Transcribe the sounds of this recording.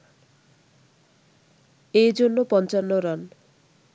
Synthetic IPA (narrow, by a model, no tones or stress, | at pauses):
ejd͡ʒonːopɔnt͡ʃɔnːoɾɔn